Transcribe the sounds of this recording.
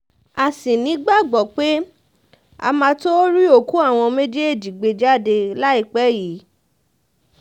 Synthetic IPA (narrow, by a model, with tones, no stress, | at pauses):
a˨sĩ˨nĩ˨˦ɡ͡ba˦˨ɡ͡bɔ˨k͡pe˦ | a̰˧mã˧to˦ɾi˦o˦˨ku˦a˦˨w̃ɔ̃˧me˦d͡ʒe˦e˦˨d͡ʒi˨ɡ͡be˧d͡ʒa˦˨de˧la˦i˦˨k͡pɛ˨˦ji˨˦